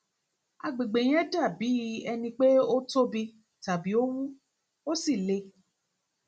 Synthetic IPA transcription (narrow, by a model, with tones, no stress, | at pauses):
a̰˧ɡ͡be˨ɡ͡be˨j̃ɛ̃˦da˦˨bi˨˦ɛ˧nĩ˧k͡pe˦o˦to˦bi˧ | ta˨bi˨˦o˦wu˦ | o˦si˦˨le˧